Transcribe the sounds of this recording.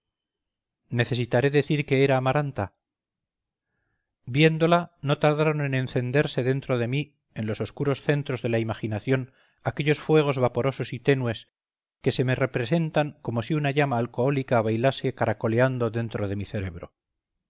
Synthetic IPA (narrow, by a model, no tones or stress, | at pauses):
ne̞θe̞sit̪aɾe̞ðe̞θiɾke̞eɾaːmaɾant̪a | bje̞nd̪o̞lano̞t̪aɾðaɾo̞ne̞nẽ̞nθe̞nd̪e̞ɾse̞ðe̞nt̪ɾo̞ðe̞mi | e̞nlo̞so̞skuɾo̞sθe̞nt̪ɾo̞zðe̞laimaχinaθjo̞n | ake̞ʎo̞sfwe̞ɣ̞o̞zβapo̞ɾo̞so̞sit̪e̞nwe̞s | ke̞se̞mere̞pɾe̞se̞nt̪aŋko̞mo̞siunaʝamaːlko̞olikaβajlase̞kaɾako̞le̞and̪o̞ðe̞nt̪ɾo̞ðe̞miθe̞ɾe̞βɾo̞̰